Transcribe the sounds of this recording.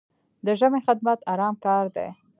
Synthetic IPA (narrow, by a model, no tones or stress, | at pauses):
d̪əʒamexɪd̪̚mat̪ɑɾɑmkɑɾd̪ḛ